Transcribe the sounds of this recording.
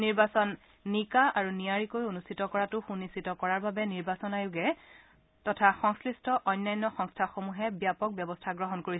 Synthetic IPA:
niɹbasɔnː | ikaaɹuniaɹikojonustʰitɔkɔɹatʊxunistʰitɔkɔɹaɹbabɛniɹbasɔnajʊɡɛ | tɔtʰaxɔŋskɹistʰɔʔɔjnːajnːɔxɔŋstʰaxomuɦɛbijapɔk̚bjɛbɔstʰaɡɹɔɦɔnkoɹi

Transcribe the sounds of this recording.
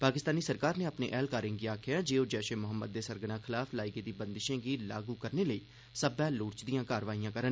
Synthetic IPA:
paːkɪst̪aːniːsəɾkaːɾneːapnḛːʔɛːlkaːɾɪ̃ːŋɡiːaːkʰɪjaːd͡ʒeːoːd͡ʒɛːʃẽːmʊɦəmːə̰d̪̚ːeːsəɾɡəɽãːkʰɪlaːfʰlaːiɡeːd̪iːbənd̪ɪʃẽːɡiːlaːɡuːkəɾneːləiː | səbɛːlʊːɾt͡ʃd̪ijãːkaːɾʋaːijãːkəɾən

